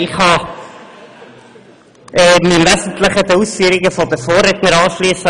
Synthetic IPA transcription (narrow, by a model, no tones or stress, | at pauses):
ɪχhɑː | ɛːmɪmvɛzn̩tləχədəuːsfyːəɾɪɡəfɔdəfoːrːɛtnəɾɑːʃliːsə